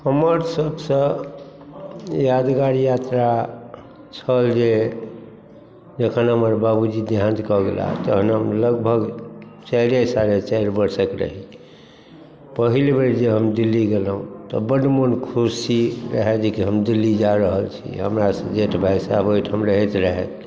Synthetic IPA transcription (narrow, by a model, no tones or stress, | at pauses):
həməɾsəbsə̃ | jad̪ɡaɾjat̪ɾa | t͡ʃʰəld͡ʒe | d͡ʒekʰənɦəməɾbabud͡ʒid̪ʱjant̪kɔɡela̰t̪əkənɦəmləɡbʱəɡt͡ʃəɪɾesaɾet͡ʃəɾbəɾsəkɾə̰ɦi | pəɦilbeɾd͡ʒeɦəmd̪ilːiɡelɦṵ̃t̪ɔ̰bəɖmonkʰusiɾəɦɛd͡ʒekiɦəmd̪ilːid͡ʒaɾəɦəlt͡ʃʰḭɦə̰mɾasə̃d͡ʒeʈʰbʱajsabʱojʈʰɦəmɾəɦet̪ɾəɦɛt̪